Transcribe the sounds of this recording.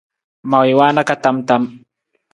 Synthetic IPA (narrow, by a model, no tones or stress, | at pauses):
mawɪwaːnakat̪amt̪am